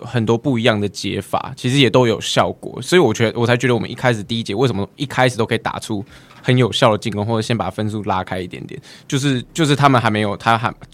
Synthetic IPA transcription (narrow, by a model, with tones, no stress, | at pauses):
xə˨˩nt̪wɔ˥pu˥˩i˧˥jɑ˥˩ŋd̪ə˩t͡ɕjɛ̰˧˥fa̰˨˩˦t͡ɕʰi˧˥ʂɻ̩˧˦jɛ˨˩t̪o˥ʊjo˨˩ʊɕjɑ˥˩ʊkwɔ̰˨˩swɔ˧˥i˨˧˨wɔ˨˩t͡ɕɥɛ˧˥d̪wɔ˨˩t͡sʰa˧˥t͡ɕɥɛ˧˥ə˨wɔ˨˩ə̰˦ni˥˧kʰa˥ɪʂ̬̩˨˩t̪i˥˧i˦˥t͡ɕjɛ˧˦we˥˩ɪs̬ə˩məʔi˥˩kʰa˦˥ɪʂ̬̩˨˩t̪o˥ʊkʰi˨t̪a̰˨˩ʈ͡ʂʰu˦ | xə˧˦njo˨˩ʊɕjɑ˥˩d̪ə˩t͡ɕi˥˩ŋkɔ˥ŋxwɔ˥˩˨ɕjɛ˥npa̰˨˩fə˦nsu˥˧la˥kʰa˥ɪi˥˩t̪jɛ˧˦nt̪jɛ̰˨˦nt͡ɕjo˥˧ʊʂ̬ɻ̩˥˩t͡ɕjo˥˧ʊʂ̬ɻ̩˥˩t̪ʰa˥mə˨nɦa˧˥ɪme˧˥ɪjo˨˩ʊt̪ʰa˥xa˧˥